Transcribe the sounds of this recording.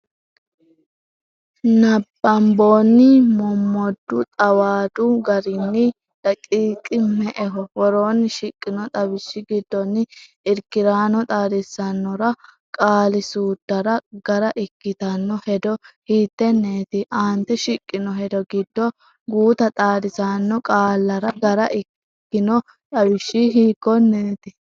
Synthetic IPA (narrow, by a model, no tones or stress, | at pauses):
nɐbːɐmboːnːɪmɔmːɔd̪ːʊt̪ʼɐwaːd̪ʊɡɐɾɪnːɪ | ᶑ̪ɐkʼiːkʼɪmɛʔɛɦɔwɔɾoːnːɪʃɪkʼːɪnɔt̪ʼɐbɪʃːɪɡɪd̪ːɔnːɪ | ɪɾkɪɾaːnɔt̪ʼaːd̪ɛsːɐnːɔɾɐ | kʼaːlɪsuːd̪̥ːɐɾɐɡɐɾɐʔɪkːɪt̪ɐnːɔhɛd̪ɔhiːt̪ːɛnːeːt̪ɪʔaːnt̪ːɛʃɪkʼːɪnɔɦɛd̪ɔɡɪd̪ːɔ | ɡuːt̪ɐt̪ʼaːd̪ɪsanːɔkʼaːlːɐɾɐɡɐɾɐʔɪ | kːɪnɔ | t̪ʼɐbɪʃːɪɦiːkːɔnːeːt̪ɪ